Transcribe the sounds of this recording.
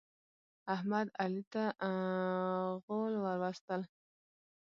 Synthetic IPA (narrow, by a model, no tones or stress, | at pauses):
ahmad̪alit̪a | ɣolwaɾwast̪əl